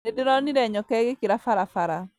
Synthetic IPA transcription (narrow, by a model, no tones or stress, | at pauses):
edɪɾɔniɾɛɲɔkɛɡekiɾafaɾafaɾa